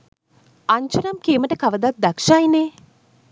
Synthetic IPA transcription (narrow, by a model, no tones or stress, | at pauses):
aɲt͡ʃunɐmkeːməʈəkaʋəd̪at̪̚d̪akʂaːjine